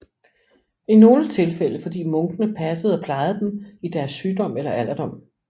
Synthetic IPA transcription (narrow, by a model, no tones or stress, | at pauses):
ino̝ːlət͡sʰe̝lfel̰əfɒ̽d̥ḭːmɔ̽ŋɡ̥ənəpʰæsəð̞̩ˠɒ̽pʰlɑ̈ɪð̩ˠd̥emid̥æɐsːyːd̥ɒ̽m̰elɐʔæl̰ɐd̥ɒ̽m̰